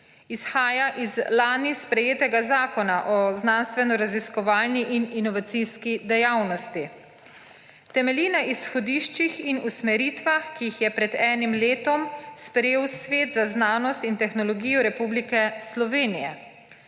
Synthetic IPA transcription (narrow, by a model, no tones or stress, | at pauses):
isxaːjaʔizlaːnispɾɛjeːt̪ɛɡazaːkɔnaʔɔznaːnst̪ʋɛnɔɾaziskɔʋaːlniʔininɔʋat̪siːskid̪ɛjawnɔst̪i | t̪ɛmɛliːnaʔisxɔd̪iːʃt͡ʃixinusmɛɾiːt̪ʋaxkijixjɛpɾɛd̪ɛːnimleːt̪ɔmspɾɛjeːwsʋeːt̪zaznaːnɔst̪int̪ɛxnɔlɔɡiːjɔɾɛpublikɛslɔʋeːnijɛ̰